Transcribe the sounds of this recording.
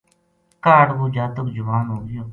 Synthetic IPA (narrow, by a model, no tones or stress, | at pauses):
kaːɽɡoːd͡ʒaːt̪ʊkd͡ʒʊʋaːnɦoːɡɪjoː